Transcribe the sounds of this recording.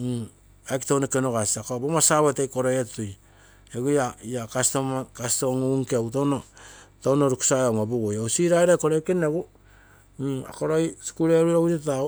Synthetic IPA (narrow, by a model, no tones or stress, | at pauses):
akitownekenokasiakobomasaβetejkoɾojettuj | eɡujaiakastomakastoŋoŋkeawtonotonoɾuku̥sajaŋabuɡojasiɾaeɾakoɾojkeneɡu | a̰koɾojsi̥kuɾeɾuɾowuɾita